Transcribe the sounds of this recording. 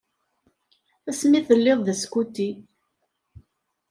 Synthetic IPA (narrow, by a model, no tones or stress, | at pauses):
æsmiθəlːeðˤðæskut̪ːi